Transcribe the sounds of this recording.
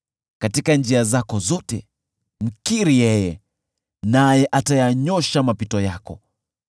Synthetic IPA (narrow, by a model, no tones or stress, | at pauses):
katikand͡ʒiazakɔzɔtɛ | m̩kiɾijɛjɛ | najɛʔatajaɲɔʃamapitɔjakɔ